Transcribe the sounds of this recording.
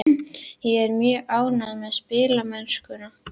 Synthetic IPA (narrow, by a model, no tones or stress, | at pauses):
jɛɛɾmjœːʔaːwnaðamɛðspɪːlamɛnskʏna